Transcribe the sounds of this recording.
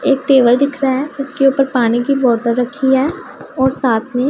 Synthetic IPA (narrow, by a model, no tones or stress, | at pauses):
eːk̚ʈeːʋəlɖɪkʰɾaɦɛːɪskeuːpəɾpaːnikibɔːʈəɾːɐkʰːiɦɛːɔːɾsaːt̪ʰmẽ